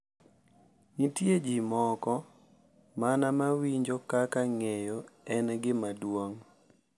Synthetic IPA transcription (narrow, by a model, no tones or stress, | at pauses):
nitjed͡ʒimɔkɔ | manamawiɲd͡ʒokakaŋejoɛnɛɡɪmadwoŋ